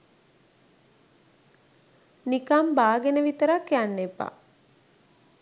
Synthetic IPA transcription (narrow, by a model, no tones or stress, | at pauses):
nikambaːɡenəʋit̪əɾakːijanːepa̰